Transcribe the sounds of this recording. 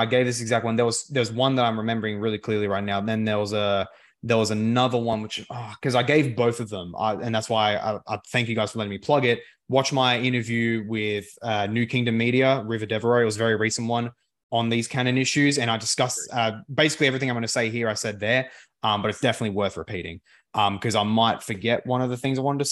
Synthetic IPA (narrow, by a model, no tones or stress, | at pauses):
aɪɡeɪvðɪs̬ɨɡzæk̚t̚wʌ̃nðə˞wʌzðə˞wʌzwʌ̃nðəɾãɪ̃mɹɨmɛ̃mbə˞ɪ̃ŋɹɪlˠikʰl̥ɪɹlˠiɹaɪtⁿnaʊðɨ̃nðə˞wʌzə | ðə˞wʌzɨnʌðə˞wʌ̃nwɨt͡ʃɔkʰʌzaɪɡeɪvboʊθʌvðə̃ma̰ɪɨ̃nðætswaɪa̰aɪθæ̃ŋkjɨɡaɪz̥fə˞lɛɾɪ̃ŋmipʰl̥ʌɡɪt̚ | wɑt͡ʃmaɪɪ̃ɾ̃ə˞vjʉwɪð̥ʌnjʉkʰɪ̃ŋdɨ̃mːiɾiɨɹɪvə˞dɛvə˞oʊɨt̚wʌzvɛɹiɹisn̩wʌ̃n | ə̃nðiz̥kʰæ̃ñɨ̃nɪʃʉzɨ̃ɾ̃aɪdɨskʌsʌbeɪsɪklˠiɛvɹiθɪ̃ŋaɪ̃mɡʌ̃nseɪɦiɹaɪsɛd̪̚ðə˞ | ʌ̃mbʌɾɨtsd̥ɛfənɨtˡliwɜ˞θɹɨ̰pʰiɾɪ̰̃ŋ | ʔʌ̃mkʰʌzaɪmaɪtfə˞ɡɛʔ̚wʌ̃ñʌvðɨθɪ̃ŋzaɪwɑ̃ñɨdtʰɨ